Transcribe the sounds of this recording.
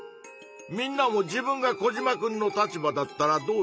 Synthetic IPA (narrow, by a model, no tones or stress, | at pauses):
mʲĩnːamo̞d͡ʑibɯ̟̃ŋɡako̞ʑimakɯ̟̃nːo̞t̪at͡ɕibad̪at̪ːaɾad̪o̞ː